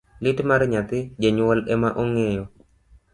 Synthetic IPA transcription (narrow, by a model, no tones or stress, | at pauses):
lɪtmaɾɲat̪ɪd͡ʒeɲwɔlɛmaʔoŋejɔ